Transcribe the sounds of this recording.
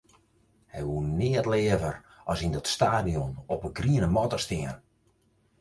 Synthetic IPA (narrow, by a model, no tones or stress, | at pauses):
hɛjʋuənːɪːətlɪəvər | ɔsindɔtstaːdijɔnɔpəɡriənəmɔtəstɪən